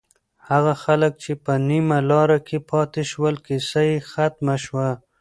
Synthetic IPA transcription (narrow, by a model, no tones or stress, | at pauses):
haɣaxalək̚t͡ʃepənimalɑɾakʰepʰɑt̪eʃwəlkisajexat̪maʃwa